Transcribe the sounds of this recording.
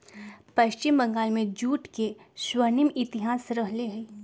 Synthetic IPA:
pɐʃt͡ʃɪmbɐ̃ŋɡaːlmẽd͡ʒuːʈkeʃwənimɪt̪ɪɦaːsɾɐɦleɦɛ

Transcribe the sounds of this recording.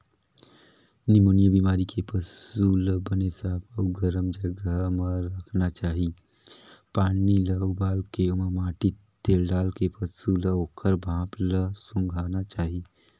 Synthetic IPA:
nimoːnijəbimaːɾikʰepəsuləbənesabəuɡəɾəmd͡ʒəɡəməɾəkʰnat͡ʃaːɦi | paːniləubaːlkeuməmaːʈi | t̪ːelɖaːlkepəsuləoːkʰəɾbʱãːpləsũŋɡʱaːnat͡ʃaːɦi

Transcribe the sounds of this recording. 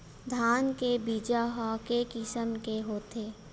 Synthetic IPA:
d̪ʱaːnkebiːd͡ʒaɦakekɪsəmkeɦoːt̪eː

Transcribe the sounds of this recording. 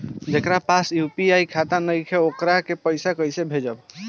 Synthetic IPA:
d͡ʒekɾapasjupiajkʰat̪anəjkʰeokɾakepəjsakəjsebʱed͡ʒəb

